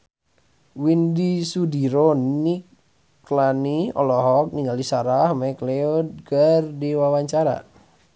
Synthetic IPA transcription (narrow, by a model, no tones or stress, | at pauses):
windisudiɾonik | laniɔ̰lɔɦɔk̚niŋɡalisaɾahmakleɔd̪̚ɡardiwawaɲt͡ʃaɾa̰